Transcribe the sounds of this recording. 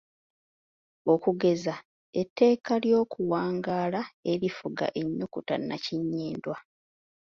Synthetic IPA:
o̞kuɡe̞za | etʰːe̞ːkaljo̞ːkuwaːŋɡaːlaeɾifuɡa̰ʔeɲːukuta̰nːaciɲːiːndwa

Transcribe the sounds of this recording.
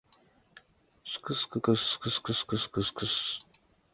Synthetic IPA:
skɨskɨkəsskɨskɨskɨskɨskʰɨs

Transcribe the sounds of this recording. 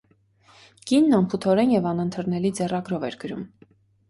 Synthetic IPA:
kinːɑmpʰut̪ʰɔɾɛnjɛvɑnənt̪ʰəɾnɛlid͡zɛrɑɡɾɔvɛ̰ɾɡəɾum

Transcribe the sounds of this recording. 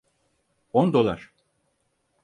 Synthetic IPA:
ond̪o̞lˠa̰ɾ̥

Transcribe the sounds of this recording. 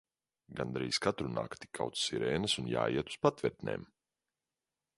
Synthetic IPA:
ɡand̪ɾiːskat̪ɾuna̰ːkt̪i̥kʰːa̰wt̪ssiɾɛːnɨsunja̰ːjiɛt̪u̥spat̪vɛɾt̪nʲḛːm

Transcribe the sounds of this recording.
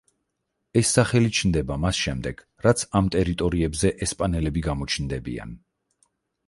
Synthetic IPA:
ɛsːaχɛlit͡ʃʰnd̪ɛbamasʃɛmd̪ɛɡ̥ | ɾat̪sʰamt̪ʼɛɾit̪ʼɔɾiɛbzɛʔɛspʼanɛlɛbiɡamɔt͡ʃʰnd̪ɛbḭa̰n

